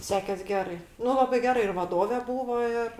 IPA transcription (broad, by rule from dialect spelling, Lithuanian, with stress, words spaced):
ˈsʲæːkʲɛs ˈɡʲæːrɐɪ ˈnʊ ˈlˠɑːbɐɪ ˈɡʲæːrɐ ɪr ʋɐˈdoːʋʲɛ ˈbuːʋoː ˈɪr